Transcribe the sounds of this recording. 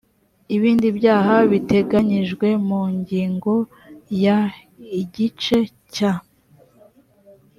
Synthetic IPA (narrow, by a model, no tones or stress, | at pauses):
iβiːndibjaːɦaβite̞ɡaɲiʒɡwe̞muɲɟiːŋɡo̞ | ja | iɟit͡ʃe̞ | ca